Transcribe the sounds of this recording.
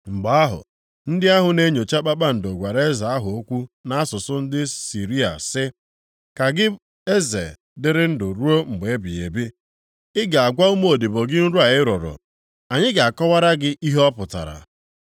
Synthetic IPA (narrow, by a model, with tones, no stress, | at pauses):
ŋ͡m̩˨ɡ͡ba˨a˦ɦʊ̰˨ | n̩˦dɪ˦a˦ɦʊ˨ne˦ɲo˨t͡ʃa˦k͡pa˦k͡pa˦n̩˨do˨ɡʷa˨ɾe˦za˨a˦ɦʊ˨o˦kʷu˦na˦a˦sʊ˨sʊ˦n̩˦dɪ˦si˨ɾi˦a̰˨sɪ˦ | ka˨ɡɪ˦ | e˦zḛ˨ | dɪ˦ɾɪ˦n̩˦dʊ˨ɾu˦o˦ŋ͡m̩˨ɡ͡be˨e˦bi˨ḛ˨bi˦ | ɪ˦ɡa˨a˨ɡʷa˦ʊ˦mo˦˨di˨bo˨ɡɪ˦n̩˦ɾu˦a˨ɪ˦ɾo˨ɾʊ̰˨ | a˨ɲɪ˦ɡa˨a˨kɔ˦wa˦ɾa˦ɡɪ˦ʔi˦ɦɔ˦pʊ˨ta̰˨ɾa̰˨